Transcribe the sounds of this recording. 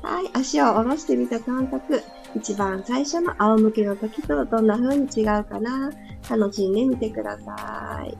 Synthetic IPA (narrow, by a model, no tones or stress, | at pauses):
ha̰iʔaɕiooɾo̞ɕi̥t̪e̞mʲit̪akãŋkakɯ̟ | it͡ɕibãɰ̃saiɕo̞no̞ʔaomɯ̟ke̞no̞t̪okʲi̥t̪od̪õ̞nːaɸɯ̟ːɲ̟it͡ɕiɡaɯ̟kana | kano̞ɕiɲid̪emʲit̪e̞kɯ̟d̪a̰sa̰ḭ